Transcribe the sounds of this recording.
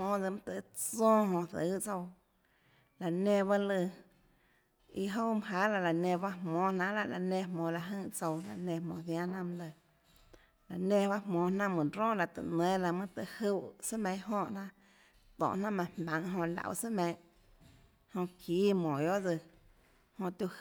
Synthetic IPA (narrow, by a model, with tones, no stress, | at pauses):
mõː˧˨d͡zɨ˧m̃˦t̪ə˨˦t͡sɔ̃ː˦ɦõ˧θə˨˦t͡so˧w | la˨nẽ˧βa˦lɨ˧ | i˧ɦo˦mɨ˧ɦa˦la˧la˨nẽ˧ba˦hmɔ̃ː˨nã˧ʔla˦ʔla̰˨nẽ˧˨mõː˨la˨ɦə̃˧˨ʔt͡so˧wla̰˨nẽ˧mõː˨θjã˦nã˦m̃˧lɨ˧˨ | la˨nẽ˧˨ba˦ʔmõː˨nã˦ʔmɨ̃˨ɾõː˦la˧˨t̪ɨ̰˨ʔnẽ˨˦la˧mɨ̃˦t̪ɨ˧˨hu˦˧˨sɨ˦mẽ˧˦ɦõ˦˨ʔnã˦ʔ | t̪ɔ̰̃˨nã˦mã˧mã˨ŋɦõ˧la̰˨ʔṵ˧˨sɨ˦mẽ˧˦ | hõ˧kʰiː˨˦mõ˨jo˦ʔd͡zɨ˧ | hõ˧t̪ʲu˧